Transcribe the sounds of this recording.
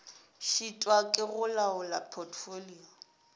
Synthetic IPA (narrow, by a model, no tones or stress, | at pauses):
ʃitʼwakʼɪɣʊlaʊlapʰɔtʰfoliːɔ